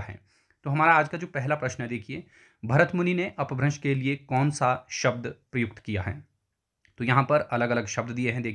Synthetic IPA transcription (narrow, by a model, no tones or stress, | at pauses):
ɦɛ̰ː | t̪oːɦɐmaːɾaaːd͡ʒkad͡ʒoːpɛɦlapɾɐʃnɦɛd̪eːkʰieː | bʱɐɾət̪mʊnineʔɐpbʱɾɐ̃nʃkeliekɔːnsaʃɐb̚d̪pɾɐjʊk̚t̪kija̰ɦɛ̰ː | t̪oːjɐɦãpɐɾɐləɡɐləɡʃɐb̚d̪d̪ieɦɛ̃d̪eːkʰ